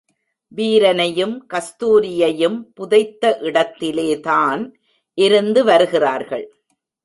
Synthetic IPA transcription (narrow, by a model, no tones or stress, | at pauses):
ʋiːɾɐnɐjɯmkɐst̪uːɾɪjɐjɯmpʊðɐɪt̪ːɐʔɪɽɐt̪ːɪleːt̪aːn | ʔɪɾɯnd̪ɯʋɐɾɯɣɪraːɾɣɐ̰ɭ